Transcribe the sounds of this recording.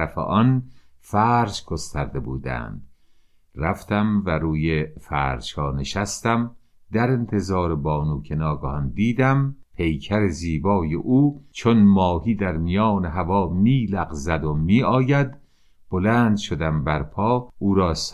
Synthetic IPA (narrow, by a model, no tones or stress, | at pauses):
æfḛʔɒn | fæːɾd͡ʒɡost̪æɾd̪e̞buːd̪æ̰nd̪̥ | ræft̪ʰæmvæɾuːjefæːɾd͡ʒhɒːneʃæst̪æm | d̪æɾe̞nt̪ʰe̞zɒːɾebɒːnuːkʰenɒːɡɔhɒnd̪iːd̪æmpʰe̞jcʰæɾeziːbɒːjḛʔuːt͡ʃʰonmɒːhiːd̪æɾmijɒːneɦævɒːmiːlæɣzæd̪omiːɒːjæd̪ | b̥olæːnd̪ʃod̪æmbæɾpʰɒːʔuːɾɒːs